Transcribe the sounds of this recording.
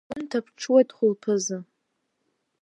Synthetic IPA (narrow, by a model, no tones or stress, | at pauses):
ʊntʰapʰʈ͡ʂʰwajtʼχʷʊlpʰɨzɨ